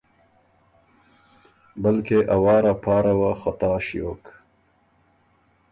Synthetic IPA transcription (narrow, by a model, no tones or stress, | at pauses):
bəlkeʔawɑːɾapʰɑːɾawaxat̪ɑːʃijo̰ːk